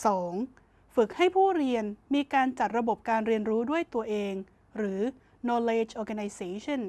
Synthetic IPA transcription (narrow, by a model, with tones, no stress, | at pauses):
sɔː˩˦ŋ | fɯ˨˩k̚ha˥˩jpʰuː˥˩ɾi˧ənmiː˧kaː˧nt͡ɕa˨˩t̪̚ɾa˧bo˨˩p̚kaː˧nɾi˧ənɾuː˦˥du˥˩əjt̪u˧ɐʔeː˧ŋ | ɾɯː˩˦ | nɔː˧leː˧t͡ɕʔɔː˧ka˧na˧jseː˧t͡ɕʰɔ˥˩n